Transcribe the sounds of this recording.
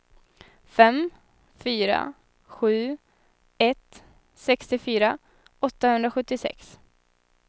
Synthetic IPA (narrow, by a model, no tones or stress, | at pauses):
fɛm | fyːɾa̰ | ɧʉ̟ː | ɛt̪ | sɛkst̪ɪfyːɾa | ɔt̪ːahɵnd̪ɾaɧɵt̪ːɪsɛ̰ks